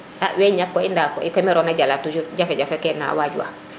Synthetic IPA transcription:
ʔaʔweɲakːoindakɔ̰ikomiɾonaɟalatud͡ʒuɟafeɟafekɛna̰ːwaɟua̰

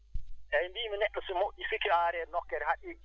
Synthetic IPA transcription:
ɛmbiːminɛɗʊsɪmʊisikiaːɾɛnɔkːɛɾɛhaɗi

